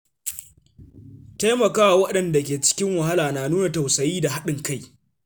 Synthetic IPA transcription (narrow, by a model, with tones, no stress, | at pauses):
ta˦jmɐ˨kaː˦wa˨wɐ˦ɗɐ˨nda˨kʲeː˨t͡ʃɪ̥˦kʲɪ˦ŋwɐ˨ha˦laː˨naː˨nuː˦na˨ta˨wsɐ˨jiː˦da˨ɦa˦ɗɪ˨ŋka˦˨j